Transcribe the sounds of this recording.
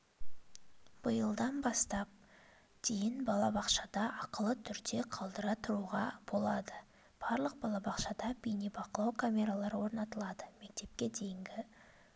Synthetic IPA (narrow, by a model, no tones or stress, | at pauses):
b̥əjəlˠd̪ɑnbɑst̪ɑp̚ | d̪̥ejɪnbɑlˠɑbɑqʃɑd̪ɑʔɑqəlˠət̪ʰʏɾd̪e̞qʰɑlˠd̪əɾɑt̪ʰʊɾuʁɑb̥o̞lˠɑd̪ə | b̥ɑɾlˠəq̚bɑlˠɑbɑqʃɑd̪ɑbʲijnibɑqəlˠɑwkʰamʲe̞ɾalˠɑɾəwo̞ɾnɑt̪əlˠɑd̪əme̞k̚t̪e̞p̚kʲe̞d̪e̞jɪŋɡʲɪ